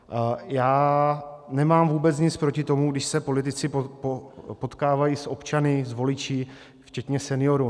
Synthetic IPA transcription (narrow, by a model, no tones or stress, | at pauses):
jaː | nɛmaːmvuːbɛt͡sɲɪt͡spɾo̞cɪt̪o̞muɡdɪʃsɛpo̞lɪt̪̬ɪt͡sɪopo̞t̪kaːvajiːsʔo̞pt͡ʃanɪzvo̞lɪt͡ʃiː | ft͡ʃɛt̪ɲɛsɛnɪjo̞ɾu